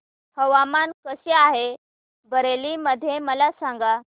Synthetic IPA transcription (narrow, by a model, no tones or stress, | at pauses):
həʋamankəɕeaɦe | bəɾeliməd̪ʱːjeməlasãŋɡa